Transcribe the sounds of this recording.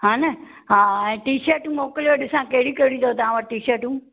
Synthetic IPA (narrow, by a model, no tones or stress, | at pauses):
ɦãːnɐ | ɦãːɛ̃ːʈiːʃɐɾʈũːmoːkəloɗɪsãkɐɦɪɽikɐɽĩd̪ot̪aãʋɐʈ̚ʈiːʃɐɾʈũ